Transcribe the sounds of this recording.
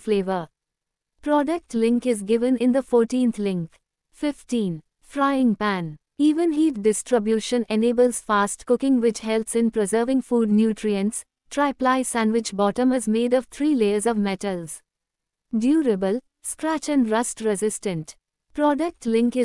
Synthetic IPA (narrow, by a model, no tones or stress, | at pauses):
fleːʋəɾ | pɾɔɖək̚ʈlɪ̃ŋkɪzɡɪʋə̃nɪ̃nd̪əfɔːɾʈĩːnt̪ʰlɪ̃ŋk | fɪfʈĩːn | fɾaɪɪ̃ŋpæ̃n | iːʋə̃nɦiːʈ̚ɖɪsʈɾɪbjuːʃə̃neneːbəlz̥faːsʈkʊkɪ̃ŋʋɪt͡ʃhɛltsɪ̃npɾɪzəːɾʋɪ̃ŋfuːɖ̚njuːʈɾiə̃nʈs | ʈɾaɪplaɪsæ̃nʋɪt͡ʃbɔʈə̃mɨzmeːɖɔʋt̪ʰɾiːleəzɔʋmɛʈəlz̥ | ɖjuːɾəbəl | skɾæt͡ʃæ̃nɖɾʌsʈɾɛzɪsʈə̃nt | pɾɔɖək̚ʈlɪ̃ŋkɪ